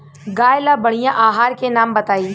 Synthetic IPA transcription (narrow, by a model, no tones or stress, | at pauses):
ɡaːjlabɐɽ̤ijãʔaːɦaːɾkenaːmbɐt̪aːiː